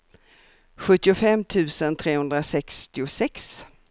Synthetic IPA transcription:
ɧɵt̪ːɪʊfɛmːt̪ʰʉ̟ːsənt̪ʰɾeːhɵnd̪ɾasɛkst̪ɪʊsɛks

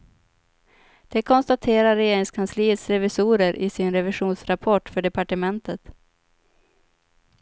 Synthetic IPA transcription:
d̪̥ɛkʰɔnst̪at̪ʰeːɾaɾɛjeːɾɪŋskʰansliːət̪sɾɛvɪsuːɾəɾʔɪsɪnɾɛvɪɧuːnsɾapʰɔʈfœɖɛpaʈəmɛnt̪ət̪

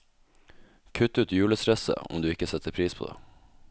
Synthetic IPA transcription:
kʰʉt̪ːʉːt̪jʉːləsɾɛsə̰ɔ̰md̪ʉːɪkːəsɛt̪ʰːəɾpʰɾiːspʰo̰ːd̪ḛː

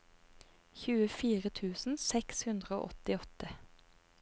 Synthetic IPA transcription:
çʉːəfiːʁət̪ʰʉːsn̩sɛkshʉnd̪ʁəo̰ːʔɔt̪ɪɔt̪ə

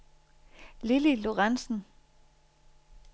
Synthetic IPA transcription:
lililoʁɑnsn̩

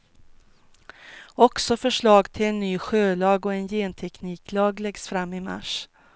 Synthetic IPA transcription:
ɔksɔfœʂɭɑːɡt̪ʰɪlɛnːyːɧøːlɑːɡɔɛnjeːnt̪ʰɛkniːklɑːɡlɛɡsfɾamːɪma̰ʂ

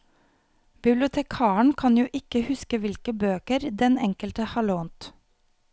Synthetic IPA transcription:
bɪblɪʊt̪ʰɛkʰɑːəɳ̩kʰɑnjuːʔɪkəhʉskəʋɪlkəbøːkəɾd̪ɛnɛŋkəlt̪əhɑːɭoːnt̪

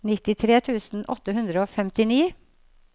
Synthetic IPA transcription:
nɪt̪ɪt̪ʰɾeːt̪ʰʉːsn̩ʔɔ̰t̪ːəhʉnd̪ɾəoːfɛmt̪ɪniː

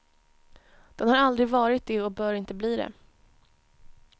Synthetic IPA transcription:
d̪̥ɛnhaɾald̪ɾɪɡvɑːɾɪt̪̚d̪eɔbœːɾɪnt̪əbliːd̪ɛ̰

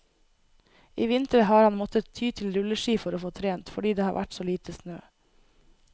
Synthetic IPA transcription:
iːʋɪnt̪əɾəhɑːɾhɑnmɔt̪ət̪ʰyːt̪ʰɪlɾʉləʃiːfɔɾoːfoːt̪ʰɾeːnt̪fɔɖiːd̪eːhɑ̰ːɾʋʔæ̰ʈsoːliːt̪ʰəsnø̰ː

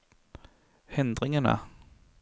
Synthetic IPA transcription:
hɛnd̪ɾɪŋaɳa̰

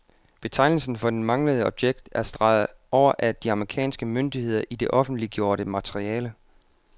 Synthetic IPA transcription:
b̥e̝t͡sʰɑ̈ɪnl̩sn̩fɒ̽d̥enmɑ̈ŋləð̞̩ˠɒ̽b̥ɕjeɡ̥̚d̥æɐsd̥ʁɑ̈ð̩ˠʔɒʊ̰ɐʔæd̥iɑ̈məʁikʰɛ̰ːnsɡ̥əmøndihe̝ð̞̰ˠɐʔid̥e̝ʔɒ̽fn̩d̥liɡ̥jo̝ːɐɾəmæt͡sʰʁiɛːlə

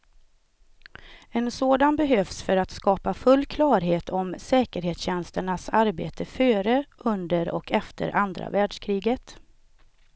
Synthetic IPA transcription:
ɛnsoːd̪anbɛɦøːfsfœɾat̪skɑːpafɵlːkʰlɑːɾɦeːt̪ʰɔmsɛːkəɾheːt̪sɕɛnst̪əɳasaɾbḛːt̪ʰəføːɾəʔɵnd̪əɾɔ̰kʰɛft̪ʰə̰ɾʔand̪ɾa̰væːɖʂkʰɾiːɡət̪

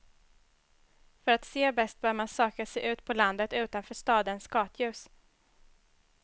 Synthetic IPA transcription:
fœɾat̪seːbɛst̪̚bœːɾmansøːkasɛʔʉ̟ːt̪pʰɔland̪ət̪ʉ̟ːt̪anfœːʂt̪ɑːd̪ənsɡɑːt̪ʰjʉ̟ːs

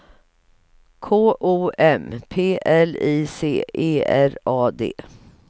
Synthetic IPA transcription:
kʰoːʔuːʔɛmpʰeːʔɛliːsḛːʔeːæɾɑːd̪ḛː

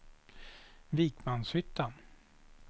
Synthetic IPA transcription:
viːkmanshʏt̪ːan

